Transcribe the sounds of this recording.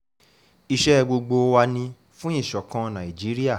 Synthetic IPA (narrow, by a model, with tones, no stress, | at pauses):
i˧ʃɛ˦˧ɡ͡bo˧ɡ͡bo˧wa˧nĩ˧ | fũ˦ĩ˦˨ʃɔ˨kã˧nã˨i˨d͡ʒi˨˦ɾi˦a˦˨